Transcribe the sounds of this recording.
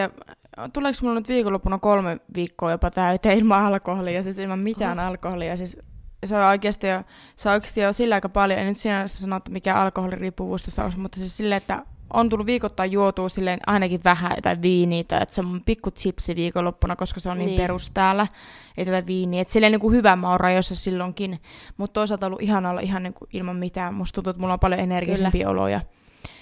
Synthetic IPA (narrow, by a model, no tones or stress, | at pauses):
jɑt̪uleˑksmulːonyt̪ʋiːkolːopːunɑkolmeʋiːkːoːjopɑt̪æyt̪eːilmɑɑlkoholijɑsiːsilmɑmmit̪æːnɑlkoholijɑsisseooikeːst̪ijo | seoikst̪ijosilːɑˑikɑpɑljoḛinyt̪siːnæssɑnoet̪ːæmikæɑlkoholiriːpːuʋṵːst̪ɑsːɑo̰smut̪ːɑsissilːeet̪ːæ̰ʔont̪ulːuʋʋiːkot̪ːɑijjuot̪uːsilːenʔɑ̰inɑkiʋʋæhæ̰o̰t̪ɑʋiːniːt̪ɑ̰iḛt̪seomːumpikːut̪sipsiʋiːkolopːunɑkoskɑseonniːmperust̪æːlːˑæeit̪æt̪ɑʋiːniːet̪silːeniːŋkuhyʋæmɑurrɑjosːɑsilːoŋkinmut̪t̪oˑisɑlt̪ɑolːuʔihɑnɑolːɑ̰ʔihɑnniːŋkuʔilmɑmmit̪æːmmust̪t̪unt̪uet̪mulːompɑljoenerɡisipiːo̰lo̰jɑ̰